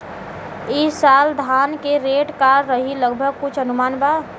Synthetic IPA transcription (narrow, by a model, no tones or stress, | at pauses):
isaːld̪ʱaːnkeɾeːʈkaːɾːəɦiləɡbʱəɡ̚kʊt͡ʃʰənʊmaːnba